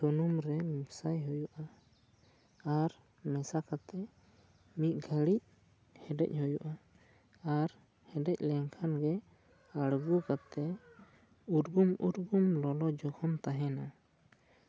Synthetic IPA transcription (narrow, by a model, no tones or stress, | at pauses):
sunumɾɛmibsajɦɔjuʔa | aɾ | mɛsakat̪ɛ | mit̪̚ɡʱəɽic̚ | hɛɖɛ̰c̚ˀhɔjuʔa | aɾ | hɛɖɛc̚lɛŋkʰanɡɛ | aɽɡukat̪ɛ | uɾɡumuɾɡumlɔlɔd͡ʒɔkʰɔmt̪aɦɛna